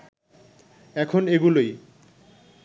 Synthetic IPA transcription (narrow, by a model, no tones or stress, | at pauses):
ɛkʰoneɡuloj